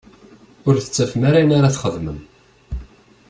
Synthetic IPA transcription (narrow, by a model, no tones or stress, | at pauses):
ʊɾθə̥t͡sːæfmaɾajənaɾaθχəðməm